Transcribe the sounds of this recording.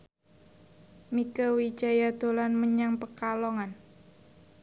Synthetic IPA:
mikəwi̥d͡ʒajad̪̥o̤lanməɲaŋpəkalɔŋan

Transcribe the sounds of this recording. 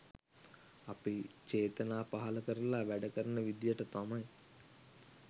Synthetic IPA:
apit͡ʃeːt̪ənaːpaɦaləkəɾəlaʋæɖəkəɾənəʋid̪ijəʈət̪amaj

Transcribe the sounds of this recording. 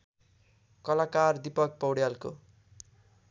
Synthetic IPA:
kʌlakard̪ipʌk̚pʌwɽjalko̰

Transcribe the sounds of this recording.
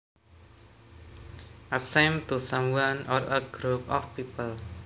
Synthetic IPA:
ʔasɛ̃mt̪usãmwãnɔɾət̚ɡ̥ɾup̚ɔ̰fpipəl

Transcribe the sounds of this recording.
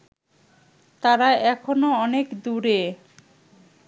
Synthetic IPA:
t̪aɾaɛkʰonoɔnekd̪uɾe

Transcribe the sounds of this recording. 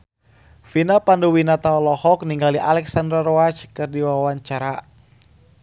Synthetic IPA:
finapandowinat̪aɔlɔhɔk̚niŋɡaliʔalɛksandɾarɔat͡ʃkɨrdiwawawaɲt͡ʃaɾa

